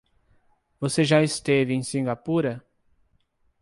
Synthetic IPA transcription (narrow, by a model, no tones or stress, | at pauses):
voseʒaɪst̪evɪẽj̃sĩŋɡapuɾɐ